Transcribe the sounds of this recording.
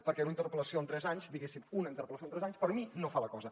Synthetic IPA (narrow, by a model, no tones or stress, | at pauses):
pəɾkɛunint̪əɾpələsioənt̪ɾɛzaɲzd̪iɣesimunəint̪əɾpələsjont̪ɾɛzaɲspəɾminofaləkɔzə